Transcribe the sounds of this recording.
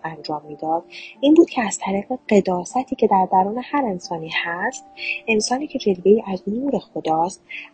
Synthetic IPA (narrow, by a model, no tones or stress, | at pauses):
ænd͡ʒɒːmːiːd̪ɒːd̪̥ʔiːnbuːd̪̚cʰeæz̥t̪ʰæɾiːɣe̞ɢe̞d̪ɒːsæt̪ʰiːcʰe̞d̪æɾd̪æɾuːne̞hæɾe̞nsɒːniːhæst̪e̞nsɒːniːcʰe̞d͡ʒe̞lbe̞iːʔæznuːɾe̞xo̞d̪ɒːst̪̚